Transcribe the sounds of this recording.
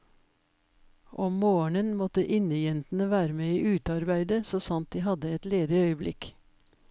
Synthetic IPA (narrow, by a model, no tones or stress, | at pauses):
ʔɔmmoːəɳənmɔt̪əʔɪnəjɛnt̪n̩əʋæːɾəmeːiːʔʉːt̪ɑɾbæɪd̪əsoːsɑnt̪̚d̪iːhɑd̪əɛt̪leːd̪ɪœʏəblɪk